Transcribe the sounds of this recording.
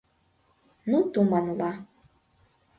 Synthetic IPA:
nutumanla

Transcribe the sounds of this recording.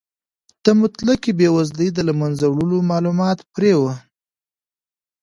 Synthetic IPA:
t̪əmʊt̪lakibewazləjd̪əlamanzawɽulomɑlumɑt̪pɾewə

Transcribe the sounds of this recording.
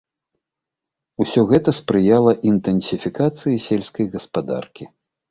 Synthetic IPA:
usʲɔɣɛt̪ɐspɾɨjalˠɐʔint̪ɛnsʲifʲikat̪sɨjisʲɛlʲsʲkɐjɣɐspad̪a̰rkʲi

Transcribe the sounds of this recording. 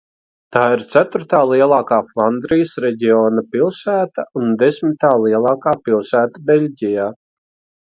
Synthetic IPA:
t̪aːiɾt̪sæt̪uɾt̪aːlˠiɛlˠɑːkaːflˠand̪ɾijsɾɛɟʲiɔːnapilˠsæːt̪aund̪esmit̪aːlˠiɛlˠɑːkaːpilˠsæːt̪abelʲɟʲijaː

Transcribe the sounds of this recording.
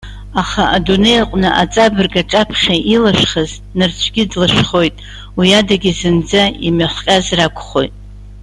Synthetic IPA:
aχaʔadune̞jaqʷʼnɨʔat͡sʼabɨrɡaʈ͡ʂʼapʰχʲaʔilaʂχaz | nɨrt͡ɕʷʰɡʲɪdlaʂχo̞jtʼ | wiadaɡʲizɨnd͡zaimaχʷqʲʼazrakʷʰʼχo̞jtʼ

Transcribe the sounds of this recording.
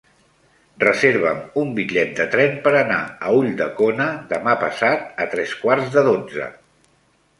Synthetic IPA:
rəzeɾβ̞əmumbiʎɛt̪̚d̪ət̪ɾɛmpəɾənaəuʎd̪əkonəðəmapəsat̪̚ət̪ɾɛskwarzðəðod͡zə̰

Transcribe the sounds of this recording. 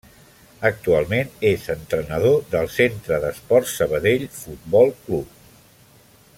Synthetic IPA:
ək̚t̪ualˠmenezənt̪ɾənəð̞oðəlˠsent̪ɾəðəspɔrt̪səβəðeʎfut̪̚bɔlˠklup̚

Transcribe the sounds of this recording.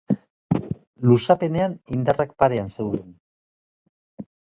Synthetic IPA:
lusape̞ne̞anind̪arakpaɾe̞anse̞wðen

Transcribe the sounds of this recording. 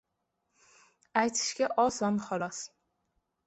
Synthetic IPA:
ajt̪ʰɪ̥ʃɡʲaʔɒsɒnχɒlˠɒs

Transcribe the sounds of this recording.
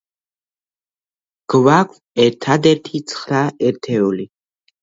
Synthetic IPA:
ɡ̥vakʷʰ | ɛɾt̪ʰad̪ɛɾt̪ʰit̪sʰχɾaɛɾt̪ʰɛɔli

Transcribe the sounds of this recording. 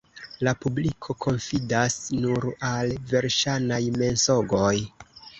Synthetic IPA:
lapublikʰo̞kʰo̞nfidasnuɾalve̞ɾʃanajme̞nso̞ɡo̞j

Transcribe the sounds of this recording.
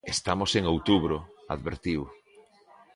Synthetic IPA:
est̪amoseŋowt̪uβɾoa̰ðβḛɾt̪iw

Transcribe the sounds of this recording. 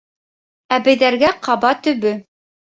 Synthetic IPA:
æbɘ̆jðæɾɡæqʰɑbɑt̪ɵ̆βɵ

